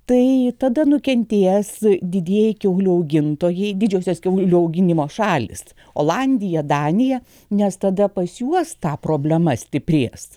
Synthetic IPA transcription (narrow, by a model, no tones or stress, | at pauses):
t̪ɐɪt̪ɐd̪ɐnʊkʲɛnʲt̪ʲeːsd̪ʲɪd̪ʲiɛjɛɪkʲɛʊlʲuɐʊɡʲɪnt̪oːjɛɪd̪ʲɪd͡ʒʲɛʊsʲoːskʲɛʊlʲuɐʊɡʲɪnʲɪmoːʃɑːlʲɪ̰s | o̰ːlˠɑnʲd̪ʲɪjɛd̪ɑːnʲɪjɛ | nʲɛst̪ɐd̪ɐpɐsʲjuɔst̪ɑːpɾoːbʲlʲɛmɐsʲt̪ʲɪpʲɾʲeːs